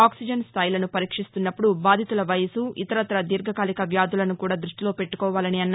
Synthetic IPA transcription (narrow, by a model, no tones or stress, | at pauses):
aːksid͡ʒɐnst̪ʰaːjilɐnupɐɾiːkʂist̪unːɐpːuɽubaːd̪ʱit̪ulɐʋɐjɐsuʔḭt̪ɐɾɐt̪ɐɾɐd̪iɾɡʱɐkaːlikɐʋjaːd̪ʱulɐnukuːɽaːd̪ɾuʂʈiloːpe̞ʈːu̥kɔːʋaːlɐniɐnː